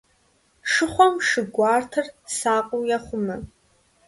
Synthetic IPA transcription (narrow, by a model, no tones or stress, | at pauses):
ʂɨχʷɔmʂɨɡʷɑːrtʰɐrsaːqʷʼʊwjaχʷʊmɨ